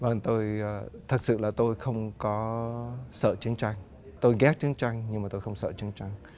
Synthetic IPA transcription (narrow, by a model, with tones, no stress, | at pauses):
vəː˨˩ŋt̪o˧jt̪ʰɨ˨˩t̚sɨ̰˧˨laː˨˩t̪o˧jxə˧wŋ͡mkɔ˨˦sə̰ː˧˨t͡ɕɨ˨˦əŋt͡ɕa˧jŋ̟ | t̪o˧jɣɛ˦˥t̚t͡ɕɨ˨˦əŋt͡ɕa˧jŋ̟ɲɨ˧maː˨˩t̪o˧jxə˧wŋ͡msə̰ː˧˨t͡ɕɨ˨˦əŋt͡ɕa˧jŋ